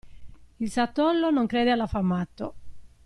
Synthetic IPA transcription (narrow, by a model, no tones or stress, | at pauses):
ilsat̪ːɔlːonoŋkɾɛːd̪ealafamːat̪ːo